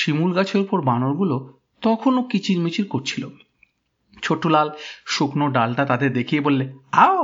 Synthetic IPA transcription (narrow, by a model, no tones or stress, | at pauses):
ʃimulɡat͡ɕʰeɾpoɾbanoɾɡulo | t̪ɔkʰonokit͡ɕʰiɾmit͡ɕʰiɾkoɾt͡ɕʰilo | t͡ɕʰoʈːolalʃuknoɖalʈat̪ad̪eɾd̪ekʰijebolːeao